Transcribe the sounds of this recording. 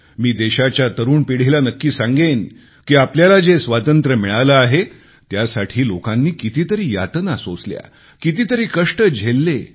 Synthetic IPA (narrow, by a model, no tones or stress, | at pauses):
miːd̪eɕat͡ɕjat̪əɾuːnpiɽ̤elanəkːiːsãŋɡen | kiːapljalad͡zesʋat̪ənt̪ɾəmiɭalaːɦe | t̪jasaʈʰiːlokanːiːkit̪it̪əɾiːja̰t̪nasot͡slja̰ | kit̪iːt̪əɾiːkəʂʈəd͡ʑʱelːe